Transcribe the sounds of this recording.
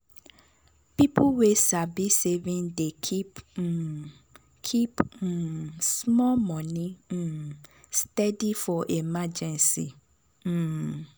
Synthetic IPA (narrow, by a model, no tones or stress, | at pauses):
pipuwesabisevĩndekʰip | kʰip̩ | smɔlmɔ̃nĩ | stɛdifɔʔemad͡ʒɛ̃nsi